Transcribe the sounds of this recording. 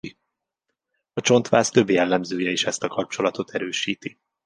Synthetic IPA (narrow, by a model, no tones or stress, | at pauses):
ɒt͡ʃo̞nt̪ʋaːst̪ø̞bjɛlːɛmzøːjɛiʃɛst̪ɒkɒp̚t͡ʃo̞lɒt̪o̞t̪ʰɛɾøːʃiːt̪i